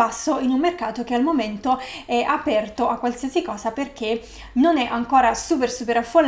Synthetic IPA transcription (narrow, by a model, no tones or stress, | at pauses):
asːoinumːerkaːt̪ok̟ealmoment̪oɛʔapɛrt̪oʔakːwalsiːasikɔːsaperk̟e | nonɛʔaŋkoːɾasuːp̬ersupeɾafːolː